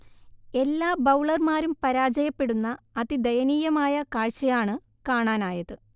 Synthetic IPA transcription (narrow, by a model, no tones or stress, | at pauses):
e̞lːaːbɐwɭɐrmaːɾumpɐɾaːd͡ʑɐjɐpːe̞ɽunːɐːðid̪ɐjɐniːjɐmaːjɐkaːɻt͡ɕːɐjaːɳɨ | kaːɳaːnaːjɐðɨ